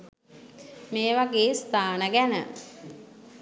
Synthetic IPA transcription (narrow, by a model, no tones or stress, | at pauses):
meːʋaɡeːst̪aːnəɡænə̰